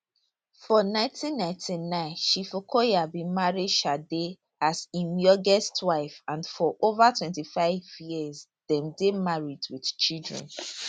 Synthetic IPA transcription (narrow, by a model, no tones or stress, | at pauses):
fɔnãɪ̃tʰĩnːãɪ̃tʰinãɪ̃nʃifokʰojabĩmaɹidʃade | asĩmjɔɡɛstwaɪfãnfɔʔovatʰwɛ̃ntifaɪvjiz | dɛ̃mdemaɹidwid̥t͡ʃidɹɛ̰̃n